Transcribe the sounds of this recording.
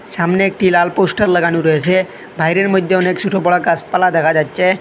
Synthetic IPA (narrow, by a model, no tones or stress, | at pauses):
samneek̚ʈilalposʈəɾləɡañũɾəɦesʰe | bʱajɾeɾmud̪ʱjeɔneksʰuʈʰobɔɭakaspəlad̪ʱəkʰad͡ʑad̪t͡ʃe